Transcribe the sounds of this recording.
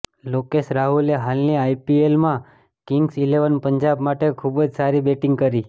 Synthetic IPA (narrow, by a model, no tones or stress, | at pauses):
lokeʃɾaɦuleɦalniaipielmã | kɪŋɡsileʋənpəɲd͡ʒabmaʈekʰubəd͡ʒsaɾibeʈɪŋɡkəɾi